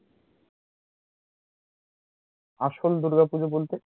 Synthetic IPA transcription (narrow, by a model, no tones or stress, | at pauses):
aʃold̪uɾɡapud͡ʑobolt̪e